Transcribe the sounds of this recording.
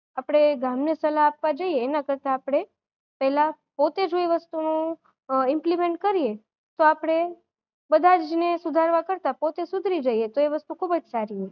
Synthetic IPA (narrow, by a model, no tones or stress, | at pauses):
apɽ̃eɡamnesəlaːpʋad͡ʒəieːnakəɾt̪aːpɽ̃e | pɛɦɛla | pot̪ed͡ʒoeʋəst̪unũ | ɪmplimẽɳʈ̚kəɾie | t̪oapɽ̃e | bəd̪ʱad͡ʒnesud̪ʱaɾʋakəɾt̪apot̪esʊd̪ʱɾid͡ʒəijet̪oeʋəst̪ukʰubəd͡ʒsaɾiɦo